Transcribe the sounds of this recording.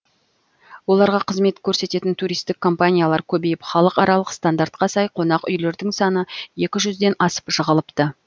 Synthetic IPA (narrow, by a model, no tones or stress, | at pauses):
wo̞lˠɑɾʁɑqʰəzme̞t̪kʲʰɵɾse̞t̪e̞t̪ɪnt̪ʰuɾijst̪ɪkʰːo̞mpanʲijalˠɑɾkʲʰɵbe̞jɪpχɑlˠəqɑɾɑlˠəqst̪and̪aɾt̪̚qɑsɑjqʰo̞nɑqʏ̰jle̞ɾd̪ɪŋsɑnəje̞kʲɪʒʏzd̪e̞nɑsə̥pʒəʁəlˠəpt̪ə